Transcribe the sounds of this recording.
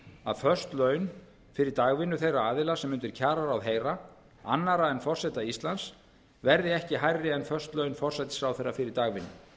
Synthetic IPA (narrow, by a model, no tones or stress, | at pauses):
a̰ðfœr̥st̪lœɥn | fɪɾɪɾt̪aːɣvɪnːʏθejraaːðɪlasɛmʏnt̪ɪɾ̥cʰaːɾaɾawɦeːjɾa | anːaɾaɛnfɔr̥sɛt̪aist̪lans | vɛɾðɪɛhcɪɦajrːɪɛnfœr̥st̪lœɥnfɔr̥sajt̪ɪ̥sfɾawθejrːafɪɾɪɾt̪aːɣvɪnːʏ